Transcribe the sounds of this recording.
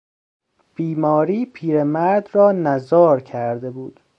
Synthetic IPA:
b̥iːmɒːɾiːpʰiːɾemæɾd̪rɒːnæzɒːɾcʰæɾd̪ebuːd̪̥

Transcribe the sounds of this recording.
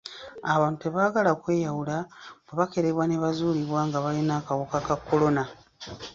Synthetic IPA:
aβaːntueβaːɡalakwe̞ːjawulabeβake̞ɾeβwaneβazuːliβwaːŋɡaβalinaːkawukakakːo̞lo̞na

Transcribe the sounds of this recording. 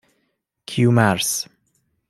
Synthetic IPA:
kʰjumaɹs

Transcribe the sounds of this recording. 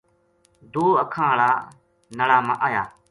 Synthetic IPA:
d̪uːəkʰãːɭaː | nəɽaːmã̰ːʔaːjaː

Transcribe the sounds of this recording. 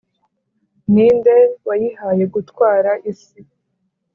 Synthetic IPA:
niːndewajihaje̞ɡutwaːɾaʔisi

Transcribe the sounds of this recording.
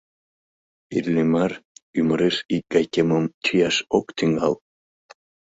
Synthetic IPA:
irlʲimɑryməɾeʃik̚ɡ̥ɑjkʲeməmt͡ɕijɑʃokt̪yŋɡɑl

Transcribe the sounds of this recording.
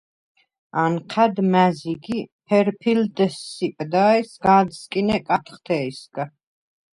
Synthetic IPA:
anqʰad̪mæziɡipʰɛɾpʰild̪ɛsːipʼd̪aɛsɡad̪skʼinɛkʼat̪ʰχt̪ʰɛisɡa

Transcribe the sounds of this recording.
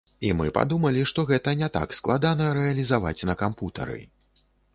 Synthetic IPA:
imɨpa̰d̪umɐlʲiʂt̪ɔɣɛt̪ɐnʲɛt̪a̰ksklˠad̪anɐɾɛɐlʲizava̰t͡sʲnɐkamput̪ɐ̰ɾɨ̰

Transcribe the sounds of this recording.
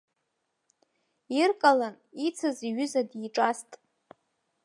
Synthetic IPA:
irkʼalan | it͡sʰaziɥʏzadiʈ͡ʂʼastʼ

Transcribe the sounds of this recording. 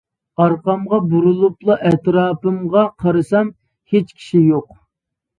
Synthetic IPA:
ɑɾqɑmʁɑbuɾulˠuplˠuʔɛt̪ɾɑːpɨmʁɑqʰɑɾɨsɑm | het͡ʃkʲʰi̥ʃijoq

